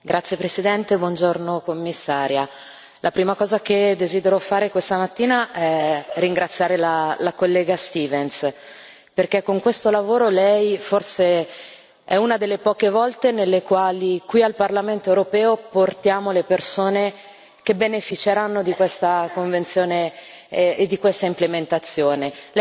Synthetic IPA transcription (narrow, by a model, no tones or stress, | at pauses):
ɡɾʔat̪sjepɾesid̪ɛnt̪ebwɔnd͡ʒornokomːisːaːɾja | lʔapɾiːmakɔːzaked̪eziːd̪eɾofaːɾekwest̪amat̪ːiːnaʔɛriŋɡɾat̪sːjaːɾelalakolːɛːɡast̪iːvens | perkekːoŋkwest̪olavoːɾolɛjforse | ɛunad̪elːepɔːkevɔlt̪enelːekwaːlikwialparlament̪oewɾopɛːoport̪jaːmolepersoːne | k̟ebenefit͡ʃeɾanːod̪ikwest̪akoɱvent̪sjoːneː | d̪ːikwest̪aimplement̪at̪sːjoːnel